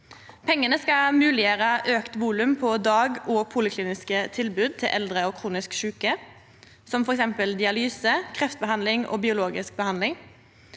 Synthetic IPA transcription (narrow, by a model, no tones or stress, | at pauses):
pʰɛŋːənəskɑmʉːlɪjəɾəʔøːkt̪ʋuːlʉmpʰɔd̪ɑːɡoːpʰuːlɪkʰliːnɪskət̪ʰɪlbʉːd̪̚t̪ʰɪlʔɛld̪ʁəɔːkʰʁuːnɪskʃʉːkə | sɔmfɔɾɛksɛmpəld̪ɪɑlyːsəkʰʁɛft̪bəhɑnd̪lɪŋo̰ːbɪʊloːɡɪsk̚bəhɑnlɪŋ